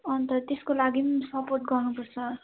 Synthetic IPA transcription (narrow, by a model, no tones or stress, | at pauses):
ʌnt̪ʌt̪eskolaɡimsʌporʈ̚ɡʌrnupʌrt͡sʰʌ